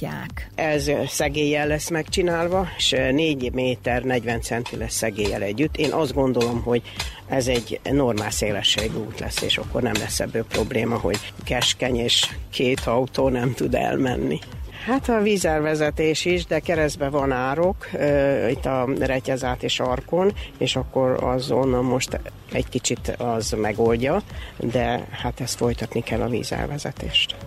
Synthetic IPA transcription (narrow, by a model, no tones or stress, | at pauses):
a̰ːkʔɛzsɛɡeːjːɛlːɛsːmɛkt͡ʃinaːlvɒʃneːɟmeːt̪ɛrnɛɟvɛnt̪sɛnt̪ilɛsːɛɡeːjːɛ̰lɛɟːyt̪ːeːnʔɒzd̪ɡo̞nd̪o̞lo̞mɦo̞ɟ | ɛzɛɟno̞rmaːlseːlɛʃːeɡuːt̪lɛ̰sːḛːʃɒ̰kːo̞̰rnɛmlɛsːɛ̰bːøːpro̞bleːmɒɦo̞̰ɟ̥kɛʃkɛɲeːʃkʰeːt̪ʰɒut̪oːnɛmt̪ud̪ɛ̰lmɛ̰nːḭhat̪ɒviːzɛlvɛzɛt̪eːʃiʒd̪ɛkɛɾɛzbɛvɒnaːɾo̞kit̪ːɒrɛcɛzaːt̪eːʃɒrko̞neːʃɒkːo̞ɾɒ̰zonːɒlmo̞ʃt̪ | ɛɟkit͡ʃit̪ɒzmɛɡo̞lɟɒd̪ɛhat̪ɛst̪fo̞jt̪ɒt̪nikɛlːɒvḭːzɛ̰lvɛzɛ̰t̪ḛːʃt̪